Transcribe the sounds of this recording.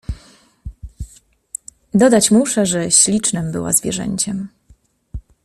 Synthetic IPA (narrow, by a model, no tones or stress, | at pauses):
d̪ɔd̪at͡ɕmuʂɛʐɛɕlʲit͡ʂnɛmbɘ̰wa̰zvʲjɛ̰ʐɛ̰ɲt͡ɕɛm